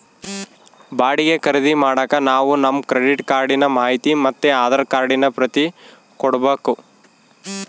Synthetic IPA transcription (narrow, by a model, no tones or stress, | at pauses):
baːɽiɡekɐɾed̪imaːɽɐːkɐnaːʋunɐmkɾeɽiʈkaːɾɖinɐmaːɦit̪imɐt̪ːeaːd̪ɐɾkaːɾɖinɐpɾɐt̪i | kɔɽbeːku